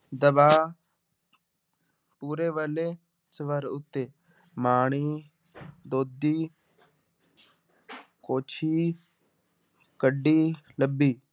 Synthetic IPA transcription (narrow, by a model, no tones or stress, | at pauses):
d̪əbaː | puːɾeːʋəleː | sʋəɾʊt̪ːeː | maːɳ̃iː | d̪oːd̪iː | koːt͡ʃʰiː | kəɖːiːləbːiː